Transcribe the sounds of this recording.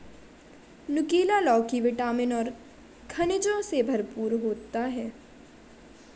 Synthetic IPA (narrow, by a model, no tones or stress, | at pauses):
nʊkiːlalɔːkiʋɪʈaːmɪnɔːɾ | kʰɐnɪd͡ʒõsebʱɐɾpuːɾɦoːt̪aɦɛː